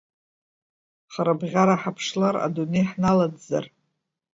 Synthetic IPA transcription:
χaɾabʁʲaɾaħapʰʂlaɾa̰dune̞jħnaladza̰r

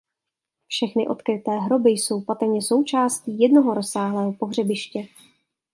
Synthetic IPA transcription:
fʃɛxnɪʔo̞t̪kɾɪt̪ɛːɦɾo̞bɪjso̞wpat̪ɾɲɛso̞wt͡ʃaːsciːjɛdnoɦoɾosːaːɦlɛːɦopo̞ɦr̝ɛbɪʃcɛ

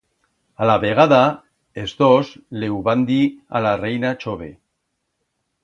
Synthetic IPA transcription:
alaβeɣ̞aða | ezðozlewβand̪ia̰larejnat͡ʃoβe

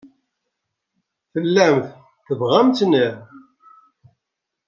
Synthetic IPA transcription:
θəlːæmθ | θəvʁæmt͡s̪ni

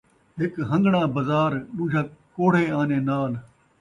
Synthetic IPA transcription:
ɦɪkɦə̃ŋɡɳãːbəzaːɾɗũːd͡ʒaːkoːɽ̤eːaːneːnaːl

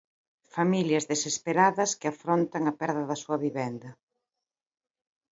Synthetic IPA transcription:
familjɐzðesespeɾaðɐskɪafɾont̪ɐŋɐpɛɾðɐðɐsuɐβiβɛnd̪ɐ

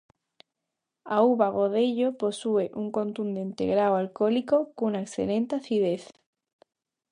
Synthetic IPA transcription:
auβaɣ̞oðeʎopo̞sueʔuŋkõ̞nt̪und̪ẽ̞nt̪ḛɣɾawalkolikokunaeksθḛlẽnt̪aθið̞eθ

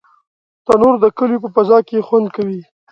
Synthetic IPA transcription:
t̪anoɾd̪əkəljop̬əpazɑkexwand̪kawi

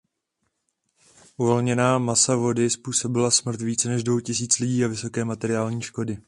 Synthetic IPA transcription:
ʔuvo̞lɲɛnaːmasavo̞dɪspuːso̞bɪlasmr̩t̪viːt͡sɛnɛʒdvo̞wcɪsiːt͡slɪɟiːavɪso̞kɛːmat̪ɛɾɪaːlɲiːʃko̞dɪ

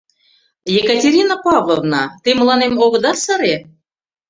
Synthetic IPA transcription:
jekətʲeɾʲinapɑvlˠovnɑ̰t̪ɨmlˠɑnemoɣɤ̆d̪ɑsɑɾe

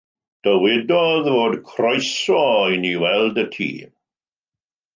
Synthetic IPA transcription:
d̥əwɪdɔðvoːdkʰrɔjsɔiniwɛlˠdətʰḭː

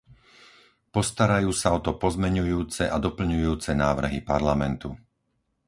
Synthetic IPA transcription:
pɔst̪aɾajuːsaɔt̪ɔpɔzmɛɲujuːt͡sɛʔad̪ɔpl̩ɲujuːt͡sɛnaːʋr̩ɦipaɾlamɛnt̪u

